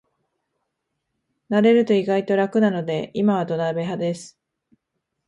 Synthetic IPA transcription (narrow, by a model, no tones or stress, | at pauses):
naɾe̞ɾɯ̟t̪o̞iɡait̪o̞ɾakɯ̟nano̞d̪e̞imaβ̞ad̪o̞nabe̞ɦad̪e̞sɨ̥